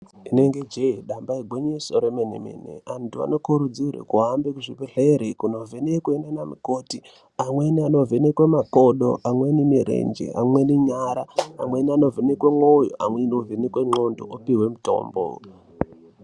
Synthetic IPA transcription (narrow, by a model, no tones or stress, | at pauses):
ine̞ŋɡed͡ʒeiɗambaiɡʱweɲesoɾemenemḭnḛantua̰no̞koɾud͡zuɾḛkuɦambekuʐipeɬeɾikuno̞vʱenekuenanamikoti | amweniano̞vʱenekwemakoɗo̰ʔamwenimiɾḛnd͡ʒḛʔa̰mweniɲaɾaa̰mweniano̞venekwemojoʔamwenovenekweŋ͡ǃondo̰ʔopiwemuto̞̰ːmbo̰